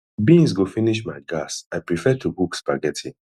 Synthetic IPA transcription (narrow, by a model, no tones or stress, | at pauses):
bĩŋs̬ɡofiniʃ̬maɪɡasaɪpɹifɛtʰubukspaɡɛtʰĩ